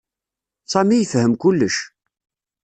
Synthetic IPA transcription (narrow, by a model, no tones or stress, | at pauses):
sˤæmijəfhəmkʊlːəʃ